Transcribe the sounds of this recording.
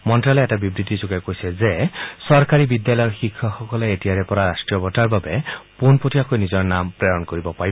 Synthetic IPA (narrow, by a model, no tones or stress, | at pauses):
mɔntɾalɔɛtabibɾit̪izukajkojsezesɔɾkaɾibid̪jalɔjɔxikʰːɔxɔkɔleetiaɾepɔɾaɾasʈɹijɔbɔtaɹbabepunpotʰiakojnizɔɹnampɾeɹɔnkoɾibɔpaib